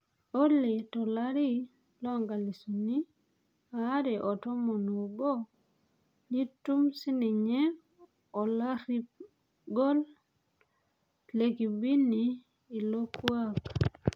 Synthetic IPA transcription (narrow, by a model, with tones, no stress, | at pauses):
o˦le˨tɔ˨la˦ɾi˦ | lɔ˦ŋɡa˨li˨su˨ni˦ | a˦ɾɛ˨ʔɔ˨tɔ˦mo˨no˨ɡo˦ | ni˦tːu˦msi˦ni˨ɲe˦ | o˨la˦ɾi˦ | ɡo˦l | le˨ki˨bi˦niː˨ | lo˦kwa˦k